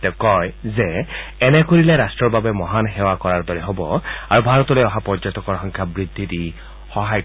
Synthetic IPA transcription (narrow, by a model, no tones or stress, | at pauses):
t̪ɛkɔjzɛɛnɛkoɹilɛɾastɹɔɹbabɛmɔɦanxewakɔɹaɹd̪ɔɹɛɦobɔaɹubʱaɹɔt̪ɔlojɔɦapɔɹd͡ʒɔtɔkɔɹxɔŋkʰjabɹid̪ʱːiti | xɔɦaj